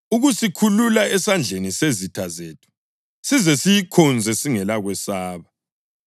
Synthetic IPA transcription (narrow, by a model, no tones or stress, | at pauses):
uɣusikʰululaɛsand͡ɮʱenisezitʰazeːtʰu̥ | sizɛsijikʰɔnd͡zʱɛsiŋɛlaɣwɛsaːβa